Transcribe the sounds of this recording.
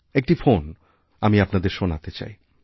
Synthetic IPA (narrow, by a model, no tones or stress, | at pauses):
ek̚ʈifon | amiapnad̪eɾʃonat̪et͡ɕa̰j